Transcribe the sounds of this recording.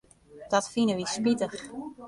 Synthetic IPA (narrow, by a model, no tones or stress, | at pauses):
d̥ɔtfinəʋispitəx